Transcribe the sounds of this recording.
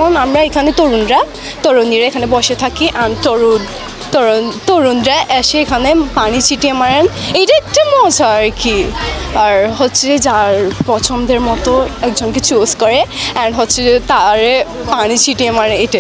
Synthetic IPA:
ɔnamɹaekʰanet̪oɹunɹa | t̪oɹoniɹeekʰanebɔʃet̪ʰakiʔantɹu | t̪ɔt̪oɹundɹaʔɛʃeekʰanepanit͡ɕʰiʈiemaɹɛnejtaɛk̚temɔd͡ʒʱaɹkiaɹɦɔtːsʰeed͡ʒaɹpɹɔt͡ʃʰɔmd̪eɹmɔt̪ɔɛk̚zɔnket͡ɕozkɔɹeɛnɖɦɔtːsʰet̪aɹe | panit͡ɕʰiʈiemaɹeejte

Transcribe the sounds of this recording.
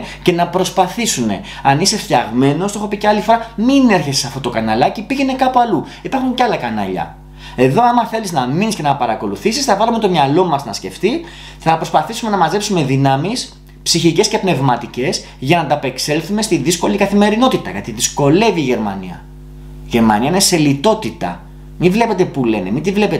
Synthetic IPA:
ce̞nɐpɾo̞spɐθisune̞̰ | ɐnise̞ft̪çɐ̰ɣme̞no̞st̪oo̞xopiceɐlifo̞ɾɐmine̞ɾçese̥sɐft̪ot̪o̞kɐnɐlɐcipiʝe̞ne̞kɐpuɐlu | ipɐɾxuɲceɐlɐkɐnɐ̰ʎɐ̰ | e̞ðo̞ɐmɐθe̞liznɐminisce̞nɐpɐɾɐko̞luθisisθɐvɐlume̞t̪o̞mɲɐlo̞mɐznɐ̰sce̞̰ft̪i | θɐpɾo̞spɐθisume̞nɐmɐze̞psume̞ðinɐmis | psiçice̞sce̞pne̞vmɐt̪ice̞s | ʝɐnɐt̪ɐpe̞kse̞lθume̞st̪iðisko̞likɐθime̞ɾino̞t̪it̪ɐ̰ʝɐ̰t̪iðisko̞le̞viːʝe̞ɾmɐ̰nḭɐ̰ | ʝe̞ɾmɐ̰niɐinese̞lit̪o̞t̪it̪ɐ̰ | mivle̞pe̞t̪e̞pule̞ne̞̰mind̪ivle̞pet̪e

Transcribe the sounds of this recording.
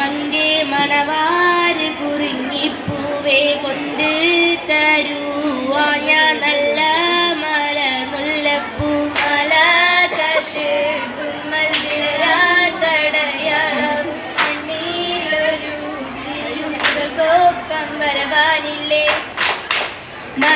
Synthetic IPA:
mɐŋɡemɐɳɐʋaːɾɨkuriŋɡipːu | ʋeko̞ɳɖɨt̪ɐɾu | ʋaːɲaːnɐlːɐmɐlɐmulːɐpːumɐlɐt̪ɐʂɨkunːɐliɾat̪ɐɽɐjaːɭɐ | mɐɳːiloɾut̪ijurɐɣoːpːɐmʋɐɾɐbaːnilːe | mɐ

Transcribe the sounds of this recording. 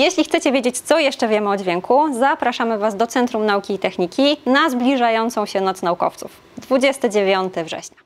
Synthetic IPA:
jeɕlʲixt̪sɛt͡ɕɛvʲjed͡ʑet͡ɕt̪sɔjɛʂt͡ʂɛvʲjɛmɘɔd͡ʑvʲjɛŋkuzapɾaʂamɘvazd̪ɔt̪sɛnt̪ɾumnaukʲiːt̪ɛxɲikʲinazblʲiʐajɔnt̪sɔ̃w̃ɕɛnɔt̪snaukɔ̰ft̪suf | d̪vud͡ʑɛst̪ɘd͡ʑevʲjɔnt̪ɘvʐɛ̰ɕɲa

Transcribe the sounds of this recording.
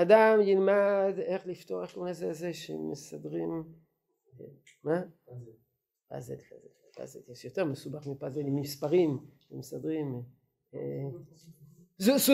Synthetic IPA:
ad̪amjilmad̪e̞χlift̪o̞ʁetkulazezeʃeemesad̪ʁim | ma | pa̰zelpa̰zelpa̰zeleʃjot̪e̞ʁmesubaχmipazelimispaʁim | emesad̪ʁim | e | zusu

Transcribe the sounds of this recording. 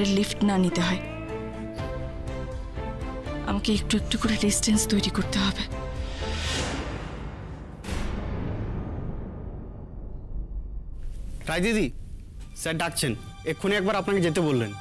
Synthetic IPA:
eɾlifʈnanit̪eɦɔe | a̰makeek̚ʈuek̚ʈukoɾeɖisʈenst̪ojɾikoɾt̪eɦɔbe | kɾajd̪id̪i | sɛɖak̚t͡ɕʰen | ekʰuneɛk̚baɾapnaked͡ʑet̪ebolːen

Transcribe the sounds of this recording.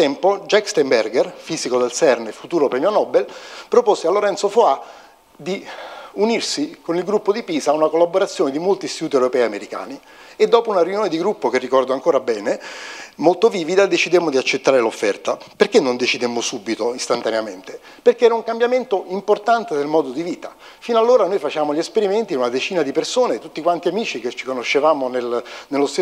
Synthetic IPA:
t̪ːɛmpod͡ʒɛkst̪embɛrɡerfiːzikod̪elsɛrnefut̪uːɾopɾɛmjonɔbelpɾoposealːoɾɛnt̪sofoa | d̪iunirsikonilɡɾupːod̪ipiːzaːunakolːaboɾat̪sːjoːned̪imolt̪ist̪it̪uːt̪iewɾopɛːjameɾika̰ːni | ed̪ːɔːpounarjunjoːned̪iɡɾupːokerːikɔrd̪oaŋkoːɾabɛːnemolt̪oviːvid̪ad̪et͡ʃid̪emːod̪iat͡ʃːet̪ːaːɾelofːɛrt̪aperkenːond̪et͡ʃid̪emːosubːit̪oist̪ant̪aneament̪e | perkeɛːɾauŋkambjament̪oimport̪ant̪ed̪elmɔːd̪od̪iviːt̪a | finoalːoːɾanojfat͡ʃaːmoʎːiespeɾiment̪iunad̪et͡ʃiːnad̪ipersoːnet̪ut̪ːikwant̪iamiːt͡ʃiket͡ʃːi̥konoʃːevaːmonelnelːost̪e

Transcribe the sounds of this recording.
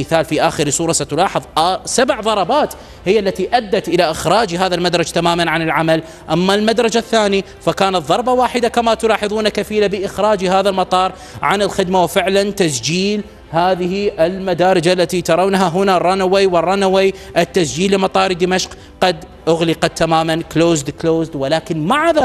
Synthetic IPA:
θaːlfiʔaːxɪɾsˤuːɾˤɑsat̪ʊlɑːħɨðˤʔsabʕðˤɑɾˤɑbaːt̪ | hɪjːalːat̪iʔad̪ːat̪ʔɪlaʔɪxɾɑːd͡ʒiɦaːðalmad̪ɾˤɑd͡ʒt̪amaːmanʕanɪlʕamal | ʔamːalmad̪ɾˤɑd͡ʒaθːaːni | fakaːnɑt̪ˤðˤɑɾˤbɑwaːħɪd̪akamat̪ʊlɑːħɨðˤuːnakafiːlabɪʔɪxɾaːd͡ʒɦaːðalmɑt̪ˤɑːɾˤ | ʕanɪlxɪd̪mawfɪʕlant̪asd͡ʒiːl | haːðɪhiʔɪlmad̪aːɾˤɪd͡ʒaʔlːat̪it̪ɑɾˤawnɦaɦʊnarˤɑnawejwɪrˤːɑnawejʔɪt̪ːasd͡ʒiːlːɪmɑt̪ˤɑːɾˤd̪ɪmaʃq | qɑd̪ | ʔʊɣlɪqat̪ːamaːmankloːzd̪kloːzd̪wɪlaːkɪnmaʕða

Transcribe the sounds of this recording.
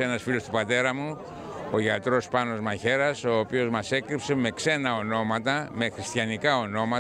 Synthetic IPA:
enɐsfilost̪upɐt̪e̞ɾɐmu | oʝɐt̪ɾo̞spɐno̞zmɐçe̞ɾɐso̞ːpio̞zmɐse̞kɾipse̞me̞kse̞nɐo̞no̞mɐt̪ɐme̞xɾist̪çɐnikɐo̞no̞mɐ

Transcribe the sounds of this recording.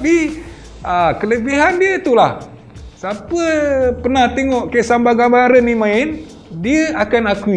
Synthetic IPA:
api | akələbiɦandiət̪ulah | sapəpənaht̪eŋɔʔkasambaɡambaɾənːimãɪn | diəakanakui

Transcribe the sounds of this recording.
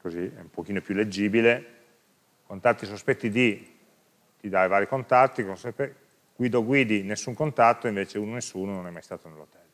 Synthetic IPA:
koziɛumpok̟iːnopjulːed͡ʒːiːbile | kont̪at̪ːisospɛt̪ːid̪i | t̪id̪ajvaːɾikont̪at̪ːikonsɛpe | ɡ̥wiːd̪oɡwiːd̪inesːuŋkont̪at̪ːoiɱveːt͡ʃeuːnonesːuːnonõnɛmːajst̪aːt̪onelːot̪ɛl

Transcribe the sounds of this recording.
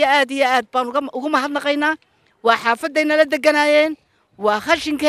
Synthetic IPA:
ɐaːd̪ijɔaːd̪̚baːnɣʔʊɣʊmɐɦɐd̪nɑqɛjnaː | wɑːħɑːfɐd̪ːɛjnɐlɐd̪ɛɡɐnaːjɛːn | wɑːχɑʃɪŋkʰɐ

